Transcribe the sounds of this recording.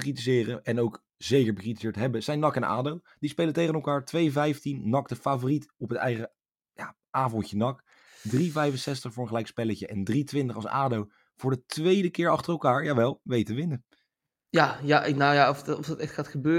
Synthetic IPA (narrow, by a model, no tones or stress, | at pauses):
kritizɪːrəɛnowk | z̥ejkəɹbəkritizɪːɹtɦɛbəz̥ɛjnːɑkɛna̰ːdow | d̥ispejlətejχənɛlˠkaːɹtʋejvɛjftinnɑktəfaːvoːritɔpɦətɛ̰jχə | jaː | ʔaːvɔntjənɑk | drivɛjvənsɛstəχfʊːɹənχəlɛjkspɛləcəʔɛndritʋɪntəχɑlˠsa̰ːdow | v̥ʊːɹdətʋejdəkɪːɹɑχtərɛlˠkaːɹjaːʋɛlˠʋejtəʋɪnə | jajanajaɔfɔfdɑtɛχtχaːtχəbøː